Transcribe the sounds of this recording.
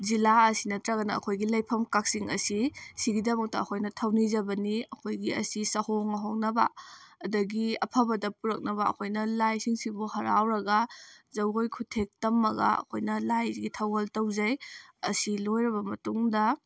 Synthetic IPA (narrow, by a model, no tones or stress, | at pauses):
zilaɐsinɐtɾɐɣɐnɐɐ̰kʰojɡilɐjpʰɐmkak̚siŋɐ̰sisiɡidɐmɐk̚tɐɐkʰojnɐtʰɐwnizɐbɐniɐkʰojɡiɐ̰sisɐhoŋɐɦok̚nɐbɐ̰ɐdɐɡiɐpʰɐbɐdɐpuɾɐk̚nɐbɐɐ̰kʰojnɐlajsiŋsibuhɐɾa̰wɾɐɡɐzɐwojkʰutʰek̚tɐmːɐɡɐ̰ɐ̰kʰojnɐlajɡitʰɐwɐltɐwzɐjɐ̰silojɾɐβɐmɐtuŋdɐ